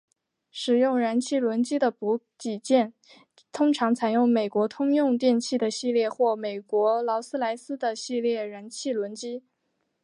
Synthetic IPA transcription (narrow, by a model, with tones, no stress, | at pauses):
ʂɻ̩˨˩jʊ˥˩ŋɻa˧˥nt͡ɕʰi˥˩lwə˧˥nt͡ɕi˥d̪ə˨pu˧˥ | t͡ɕi˨˩t͡ɕjɛ˥˩n | t̪ʰʊ˥ŋʈ͡ʂʰɑ˧˥ŋt͡sʰa˧˩ɪjʊ˥˩ŋme˨˩ɪkwɔ˧˥t̪ʰʊ˥ŋjʊ˥˧ŋt̪jɛ˥˧nt͡ɕʰi˥˩d̪ə˩ɕi˥˧ljɛ˥˧xwɔ˥˩me˨˩ɪkwɔ˧˥lɑ˧˥ʊsɹ̩˥la˧˥ɪsɹ̩˥d̪ə˨ɕi˥˧ljɛ˥˩ɻa˧˥nt͡ɕʰi˥˩lwə˧˥nt͡ɕi˥